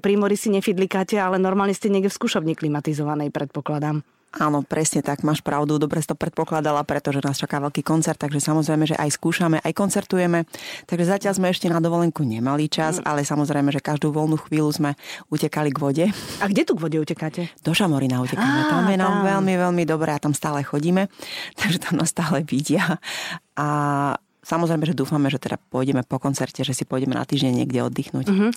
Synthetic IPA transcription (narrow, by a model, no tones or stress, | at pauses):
pɾiːmɔɾisiɲɛfid̪likaːcɛalɛnɔɾmaːlɲɛscɛɲɪɛɡɟɛfskuːʃɔbɲiklimat̪izɔʋanɛjpɾɛt̪̚pɔklad̪am | ʔaːnɔpɾɛsɲɛt̪aɡmaːʃpɾaʊd̪ud̪ɔbɾɛsit̪ɔpɾɛt̪̚pɔklad̪alapɾɛt̪ɔʒɛnaːst͡ʃakaːʋɛʎkiːkɔntt͡sɛɾt̪ːaɡʒɛsamɔzɾɛjmɛʒɛ̰ʔajskuːʃamɛʔajkɔnt͡sɛɾt̪ujɛmɛt̪aɡʒɛzacɪaʎzmɛɛʃcɛnad̪ɔʋɔlɛŋkuɲɛmalit͡ʃaza̰lɛsamɔzɾɛjmɛʒɛkaʒd̪uːʋɔlnuːxʋiːluzmɛucɛkaliɡʋɔɟɛaɡɟɛt̪uɡʋɔɟɛucɛkaːcɛd̪̥ɔʒamɔɾinaucɛkamɛt̪amjɛnamʋɛʎmiʋɛlmid̪ɔbɾɛːat̪amst̪aːlɛxɔɟiːmɛt̪aɡʒɛt̪amnast̪aːlɛʋiɟɪa | ʔa | samɔzɾɛɪjmɛʒɛd̪uːfamɛʒɛt̪ɛd̪a̰pɔjɟɛmɛpɔkɔnt͡sɛɾcɛʒɛsipɔjɟɛmɛna̰t̪iːʒɲɛɲːɪɛ̰ɡɟɛɔ̰d̪ːixnuːc